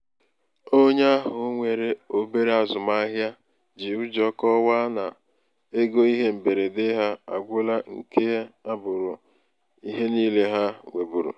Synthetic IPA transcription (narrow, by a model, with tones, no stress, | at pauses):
o˦ɲe˦a˦ɦʊ˨˦ŋʷe˨ɾe˦o˦be˦ɾe˦a˨zʊ˨ma˦ɦja˦ | d͡ʒi˨ʊ˦d͡ʒɔ˦kɔ˦wa˦na˨ | e˦ɡo˦i˦ɦe˦m̩˨be˨ɾe˨dɪ˦ɦa˦a˨ɡʷʊ˦la˦ŋ̩˨ke˦a˦a˦bʊ˨ɾʊ˨ | i˦ɦe˦niː˦le˦ɦa˦ŋʷe˨bu˨ɾṵ˨